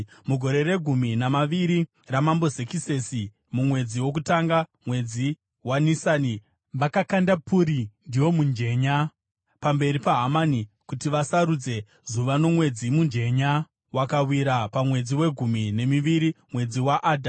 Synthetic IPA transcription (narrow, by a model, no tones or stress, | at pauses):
muɡʱo̞ɾe̞re̞ɡʱuminamaʋiɾi | ramambo̞zekise̞si | mumwe̞d͡ziwo̞k̬utaŋɡamwe̞d͡zi | wanisaːni | ʋakakandapʰuɾindiwo̞mund͡ʒe̞ɲa | pambe̞ɾipaɦamani | kutiʋasaɾud͡ze̞ | zuʋano̞mwe̞d͡zimund͡ʒe̞ɲa | wakawiɾapamwe̞d͡ziwe̞ɡʱumine̞miʋiɾi | mwe̞d͡ziwaʔaːdʱa